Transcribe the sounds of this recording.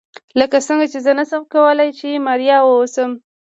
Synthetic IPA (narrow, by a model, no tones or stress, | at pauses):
ləkasəŋɡat͡ʃezənasəmkawəlajt͡ʃemɑɾjɑwəosəm